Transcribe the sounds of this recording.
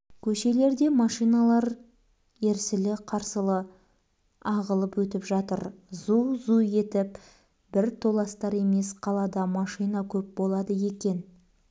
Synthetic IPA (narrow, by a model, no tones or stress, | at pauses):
kʲʰɵʃe̞le̞ɾd̪e̞mɑʃijnɑlˠɑɾ | e̞ɾsɪlɪqʰɑɾsəlˠə | ɑʁəlˠəpwɵt̪ɪpʒɑt̪əɾzuzue̞t̪ɪp | b̥ɪɾt̪ʰo̞lˠɑst̪ɑɾe̞me̞sqʰɑlˠɑd̪ɑmɑʃijnɑkʲʰɵp̚bo̞lˠɑd̪əje̞kʲe̞n